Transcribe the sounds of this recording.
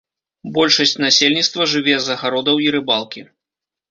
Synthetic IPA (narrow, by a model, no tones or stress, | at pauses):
bɔlʲʂɐsʲt͡sʲnasʲelʲnʲit̪st̪vɐʐɨvʲɛzɐɣaɾɔd̪ɐwiɾɨbalˠkʲi